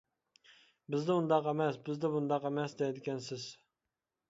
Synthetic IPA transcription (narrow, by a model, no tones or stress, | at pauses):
bɪzd̪ɛund̪ɑqemɛsbɪzd̪ɛbund̪ɑqemɛsd̪ɛd̪ɪkʲɛnsɪz̥